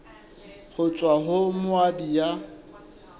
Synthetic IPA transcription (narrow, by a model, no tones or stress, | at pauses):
hʊt͡sʼwaɦʊmʊabija